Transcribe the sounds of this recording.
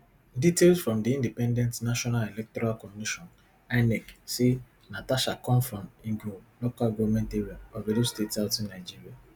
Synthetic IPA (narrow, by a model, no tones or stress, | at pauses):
ditelsfɾɔ̃mdiĩndipɛ̃ndɛntnaʃɔnalelɛk̚tɔɾalkɔmiʃɔn | anɛksi | nataʃakɔ̃nfɾɔ̃ntĩɡulokalɡɔvmɛ̃nteɾiaɔvelistetsaʊtinaɪd͡ʒiɾia